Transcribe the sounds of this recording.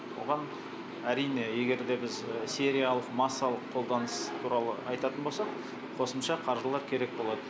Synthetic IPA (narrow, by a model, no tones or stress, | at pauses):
wo̰ʁɑn | æɾijne̞je̞ɡʲe̞ɾd̪e̞bɪzsʲe̞ɾijalˠəqmɑsːɑlˠəqʰːo̞lˠd̪ɑnəst̪ʰuɾɑlˠə̰ɑjt̪ɑt̪ənbo̞lsɑq | qʰo̞səmʃɑqʰɑɾʒəlˠɑɾkʲʰe̞ɾe̞k̚bo̞lˠɑd̪ə